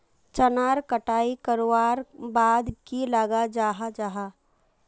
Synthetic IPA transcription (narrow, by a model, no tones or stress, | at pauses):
t͡ʃənaːɾkəʈaːikəɾowaːɾbaːd̪kilaɡad͡ʒaːɦad͡ʒaːɦaː